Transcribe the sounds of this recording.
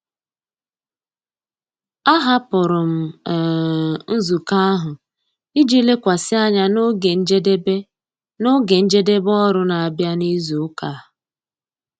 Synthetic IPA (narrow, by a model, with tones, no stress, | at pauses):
a˦ɦa˦pʊ˨ɾʊ˨m̩˨ | n̩˦zu˨ka˦a˦ɦʊ˨ | i˦d͡ʒi˦le˦kʷa˨sɪ˦a˦ɲa˦no˦ɡe˨n̩˦d͡ʒe˦de˦be˦ | no˦ɡe˨n̩˦d͡ʒe˦de˦bɔ˦ɾʊ˦na˨a˨bja˦ni˦zu˨ʊ˦ka˨